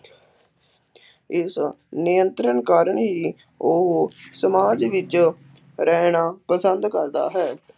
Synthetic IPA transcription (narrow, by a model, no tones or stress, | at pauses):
ɪsnɪjənt̪ɾənkaːɾəɳɦiː | osəmaːd͡ʒʋɪt͡ʃ | ɾɛːnaːpəsənd̪kəɾd̪a̰ːɦɛː